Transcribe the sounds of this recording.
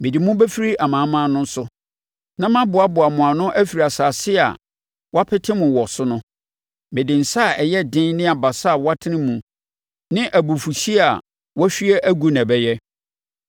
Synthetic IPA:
mɪ̃˨di˨mʊ̃˦bɛ˦fi˦ɾi˦ʔa˨mã˨˦mãː˦nʊ̃˦n̩˦sʊ˦ | nã˦mã˦bʊ˨a˦bʊ˨a˨mʊ̃˨a˨nʊ̃˦ʔæ˦fi˨ɾi˨a˨saː˨sɪ˦a̰˨ | wɔ˦a˦pʰɛ˦tʰɪ̃˦mʊ̃˨wɔ˨sʊ˦nʊ̃˦ | mɪ̃˨dɪ̃˨n̩˨sa˦˨ʔɛ˨jɛ˦dɪ̃˦nnɪ̃˦a˨ba˨sa˦˨wɔ˦a˦tʰɪ˦nɪ̃˦mũ˨ | nɪ̃˦ʔæ˨bu˨fu˨ɕi˦a˨ | wɔ˦ɕᶣi˦ɛ˦ʔæ˦ɡu˦nã˨bɛ˦jɛ˦

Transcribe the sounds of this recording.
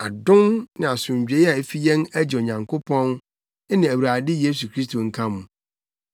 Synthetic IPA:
a˨dʊ̃˦nnɪ̃˨a˨sʊ̃˨ɲ˨d͡ʑᶣe˨˦i˦a˨e˦fi˦jɛ̃˦næ˦d͡ʑɪ˨o˨ɲã˨ŋkʰʊ˦pʰɔ̃˦n˦ | nɪ̃˨æ˨wɾaː˨dɪ˦je˦s̬u˨kʰɾi˦s̬tʰo˨ŋ̩˦kʰã˦mʊ̃˨

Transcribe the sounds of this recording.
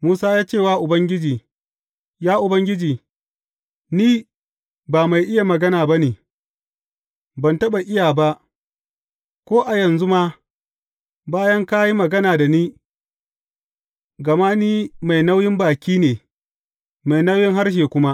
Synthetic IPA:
muː˦saː˦jaː˦t͡ʃeː˦˨waː˦ʔʊ˨bɐ˦ŋɡʲɪ˦d͡ʒiː˨ | jaː˦ʔʊ˨bɐ˦ŋɡʲɪ˦d͡ʒiː˨ | niː˦ | baː˨ma˨jʔɪ˦ja˨mɐ˨ɡɐ˦naː˨ba˦niː˨ | bɐ˨ntɐ˦ɓa˨ʔɪ˦jaː˨ba˦ʔ | kʷoː˦ʔa˨jɐ˨nzu˦maː˦ | baː˦jɐ˦ŋka˦ji˦mɐ˨ɡɐ˦naː˨da˨niː˦ | ɡɐ˨maː˦niː˦ma˨jna˦wjɪ˦mbaː˨kʲiː˦neː˨ | ma˨jna˦wjɪ˦ŋɦa˦rʃ̬eː˨kʷʊ˦ma˦ʔ

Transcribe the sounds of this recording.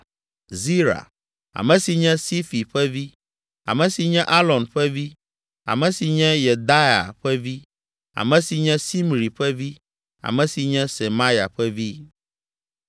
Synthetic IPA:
zi˦ɾa̰˨ | a̰˨mɛ̃˨si˨ɲɛ̃˦si˦fi˨ɸɛ˦vi˦ | a̰˨mɛ̃˨si˨ɲɛ̃˦ʔa˦lɔ˨nɸɛ˦vi˦ | a̰˨mɛ̃˨si˨ɲɛ̃˦je˨d̪a˦ja̰˨ɸɛ˦vi˦ | a̰˨mɛ̃˨si˨ɲɛ̃˦si˦mɾi˨ɸɛ˦vi˦ | a̰˨mɛ̃˨si˨ɲɛ̃˦se˨mã˦ja̰˨ɸɛ˦vi˦

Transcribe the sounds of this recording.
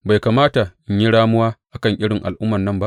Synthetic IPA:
ba˨jkaː˨maː˦ta˨ɲji˦ɽaː˦mʊ˦waː˦ʔa˨kɐ˦˨ŋʔɪ˦ɽɪ˨ŋʔa˨lʔʊ˦mːɐ˨nːɐ˦mba˦ʔ

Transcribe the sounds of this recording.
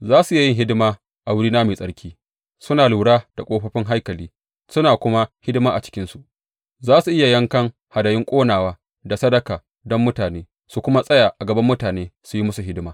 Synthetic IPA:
zaː˦su˨˦jɪ˦ŋɦɪ˦dɪ˦maː˦ | ʔa˨wʊ˦ɽiː˦naː˦meː˨sʼɐ˦ɽkʲiː˦ | sʊ˦naː˨luː˨ɽaː˦d̥a˨kʷʼoː˦ɸɐ˦ɸɪ˦ŋɦa˦jkɐ˨liː˦ | sʊ˦naː˨kʷʊ˦ma˦hɪ˦dɪ˦maː˦ʔa̰˨t͡ʃɪ̥˦kʲɪ˦nsu˨ʔ | zaː˦su˨ʔɪ˦ja˨jɐ˦ŋkɐ˦ŋ | ha˨dɐ˨jɪ˦ŋkʷʼoː˦naː˨waː˦ | da˨sɐ˦dɐ˨kaː˨ | dɔ˦mːʊ˦taː˨neː˦ | su˨kʷʊ˦ma˦sʼɐ˦jaː˨ʔa˨ɡɐ˨bɐ˦mːʊ˦taː˨neː˦su˨ji˦mʊ˦su˨ɦɪ˦dɪ˦maː˦

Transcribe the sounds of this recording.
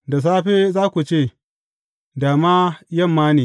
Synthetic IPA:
da˨s̬aː˦ɸeː˦zaː˦kʷu˨t͡ʃeː˦˨ | daː˨maː˦jɐ˦˨mːaː˦neː˨

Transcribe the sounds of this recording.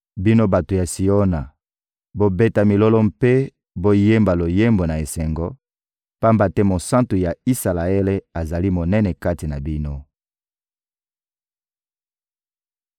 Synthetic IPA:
bi˦no˦ba˨to˨ja˨si˨o˦na˨ | bo˦be˦ta˨mi˨lɔ˦lɔ˦mpe˦ | bo˦je˦mba˨lo˨je˦mbo˨na˨e˨sɛ˨ŋɡɔ˦ | pa˦mba˨tɛ˦mo˨sã˦nto˨ja˨i˦sa˨la˨e˦le˦a˨za˨li˦mo˨nɛ˦nɛ˨ka˦ti˨na˨bi˦no˦

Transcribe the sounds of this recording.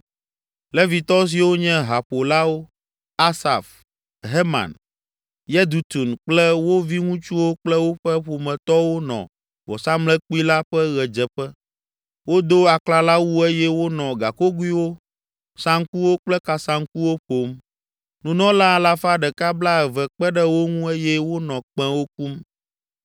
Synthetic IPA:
lɛ˦vi˨t̪ɔ˦s̬i˨wo˦ɲɛ̃˦ɦa˨ɸo˨la˦wo˦ | a˦sa̰˨f | ɦe˦ma̰˨n | jɛ˦d̪u˨t̪u˨nk͡plɛ˦wo˦vi˦ŋũ˦t͡ʃu˦wo˦k͡plɛ˦wo˦ɸɛ˦ɸo˨mɛ̃˨t̪ɔ˦wo˦nɔ̰̃˨ | vɔ̰˨sa˦mlɛ˦k͡pu˦i˦la˦ɸɛ˦ɣɛ˨d͡ʒɛ˨ɸɛ˦ | wo˦d̪o˦a˨kla˦la˦wu˦e˦jɛ˦wo˦nɔ̃˨ɡa˨ko˦ɡu˦i˦wo˦ | sã˦ŋ˦ku˦wo˦k͡plɛ˦ka˨sã˦ŋ̩˦ku˦wo˦ɸo˨˦m | nũ˨nɔ̃˦la˦˨la˦fa˦ɖɛ˨ka˦bla˦ɛ˨vɛ˨k͡pɛ˦ɖɛ˦wo˦ŋũ˦e˦jɛ˦wo˦nɔ̃˨k͡pɛ̃˦wo˦k̚u˦m

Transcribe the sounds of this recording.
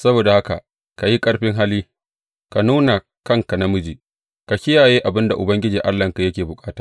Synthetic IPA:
sɐ˦boː˨da˨ha˦ka̰˨ʔ | ka˨ji˦kʼɐ˦ɽɸɪ˦ŋɦa˦liː˦ | ka˨nuː˦na˨ | kɐ˦ŋka˨na˦mʊ˦d͡ʒiː˨ | ka˨kʲɪ˦jaː˨jeː˦ʔa˨bɪ˦nda˨ʔʊ˨bɐ˦ŋɡʲɪ˦d͡ʒiː˨ʔa˦lːɐ˨ŋka˨jɐ˦kʲeː˨bʊ˨kʼaː˦tḁː˨

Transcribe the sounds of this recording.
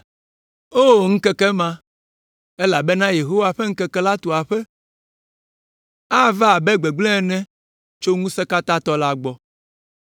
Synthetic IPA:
o˦˨ŋ̩˦kɛ˦kɛ˦mã˦ | e˦la˨be˦nã˦je˨ɦo˦wa˦ɸe˦ŋ̩˦kɛ˦kɛ˦la˦t̪o˨a˨ɸɛ˦ | a˦va˦˨bɛ˦ɡ͡bɛ˨ɡ͡blɛ̃˦ɛ˨nɛ̃˦ | t͡ʃo˦ŋũ˦sɛ˦ka˦t̪a˦t̪ɔ˦la˦ɡ͡bɔ˨

